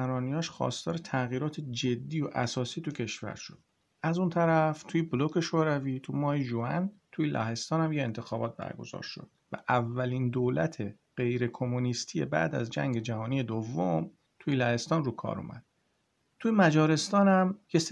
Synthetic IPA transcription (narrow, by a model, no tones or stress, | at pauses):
æɾɒːnijɒːʃxɒ̰ːst̪ɒːɾe̞t̪ʰæɣiːɾɒːt̪ʰed͡ʒe̞d̪ːiːjoʔæ̰sɒːsiːt̪ʰucʰe̞ʃvæ̰ɾʃod̪̥̚ | æzunt̪ʰæɾæft̪ʰujeblokʰe̞ʃoɾæviːt̪ʰumɒːheʒuænt̪ʰujelʔæ̰ɦe̞st̪ɒːnæmjeḛnt̪ʰe̞xɒːbɒːt̪̚bæ̰ɾɡo̞̰z̥ɒ̰ːɾʃo̞̰d̪̥væ̰ʔævːælind̪oːlæt̪ʰe̞ | ɢ̥e̞jɾe̞kʰo̞munist̪ʰije̞̰bæ̰d̪æ̰zd͡ʒæ̰ŋɟe̞d͡ʒæhɒːniːje̞d̪ovːom | t̪ʰujelæhe̞st̪ɒːnruːkʰɒ̰ːɾṵmæ̰d̪̥ | t̪ʰujemæd͡ʒɒːɾe̞st̪ɒːnæmjes